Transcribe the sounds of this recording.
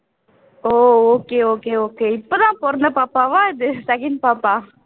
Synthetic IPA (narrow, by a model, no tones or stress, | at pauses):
oːoːkeːoːkeːoːkeːɪpːod̪ãːpoːɾɐnɐpaːpːaːʋãːɪðɯsɐkɪn̚paːpːaː